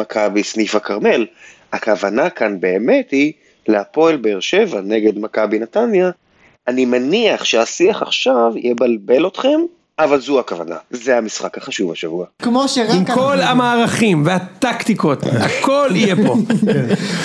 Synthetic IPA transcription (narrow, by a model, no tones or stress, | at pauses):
akʰabisnifakaʁme̞l | akavanakanbe̞ːme̞thi | leapo̞elbeeʁʃe̞vane̞ɡe̞dmakabinatanja | animaniaχʃeasiaχa̰χʃavjʔebalbe̞lo̞tχe̞m | avalzuakavana̰zehamisχakhaχaʃuvaʃavuakmoʃeʁimkolamaːʁaχimveat̪akt̪ikotakʰolijebo